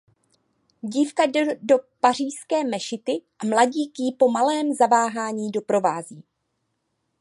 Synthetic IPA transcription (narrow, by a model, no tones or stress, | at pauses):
ɟiːfkadopar̝iːskɛːmɛʃɪt̪ɪʔamlaɟiːkjipo̞malɛːmzavaːɦaːɲiːdo̞pɾo̞vaːziː